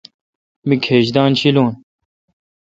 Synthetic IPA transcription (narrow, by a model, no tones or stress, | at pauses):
mikʰeːʑd̪aːnt͡ɕʰiloːn